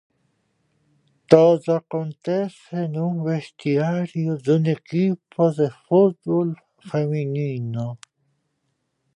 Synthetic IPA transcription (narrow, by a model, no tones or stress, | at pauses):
t̪ozakont̪esenũweht̪iaɾjozunekipoðefut̪bol | feminiːno